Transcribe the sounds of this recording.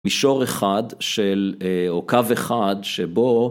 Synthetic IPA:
iʃo̞ʁeχad̪ʃelokaveχad̪ʃebo

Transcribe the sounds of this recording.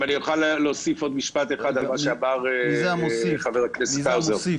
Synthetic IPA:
anijuχalːeosifo̞d̪miʃpat̪eχad̪almaʃeabaʁ | χaveʁaknesawzeʁ

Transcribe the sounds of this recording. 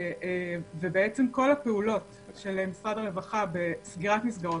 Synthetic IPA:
evebeet͡semko̞lhapeulo̞t | ʃelemisʁadaʁevaχabe̞sɡiʁatmisɡaʁo

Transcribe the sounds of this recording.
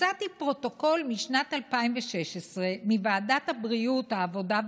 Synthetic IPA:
at̪ipʁo̞t̪o̞ko̞lmiʃnat̪alpaimveʃeʃesʁe̞mivaːdat̪habʁiuthaːvo̞da

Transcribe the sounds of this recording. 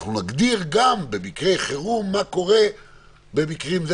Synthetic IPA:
χnunaɡd̪iʁɡambe̞mikʁejχeʁumːako̞ʁe̞ | be̞mikʁimz

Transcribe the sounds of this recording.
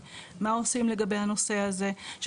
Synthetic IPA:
mao̞simle̞ɡabehano̞se̞haze̞ʃ

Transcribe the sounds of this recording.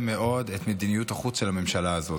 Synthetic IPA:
meʔo̞det̪med̪inijut̪aχut͡sʃelhame̞mʃalaːzo̞

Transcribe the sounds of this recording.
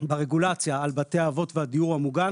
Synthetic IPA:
baʁeɡulat͡sjaːlbateaːvo̞tvehad̪ijuʁhamuɡa

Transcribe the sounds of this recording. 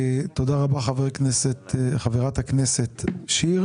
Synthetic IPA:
t̪od̪aʁabaχaveʁknesetχaveʁat̪hakneset̪ʃiʁ

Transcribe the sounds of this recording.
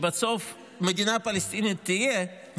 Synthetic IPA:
basof | med̪inapalest̪init̪ːije | v

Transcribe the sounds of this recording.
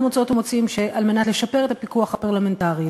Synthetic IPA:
mot͡sao̞t̪mot͡simʃe̞ʔalme̞nat̪le̞ʃape̞ʁet̪apikuaχhapaʁlame̞ntaʁi

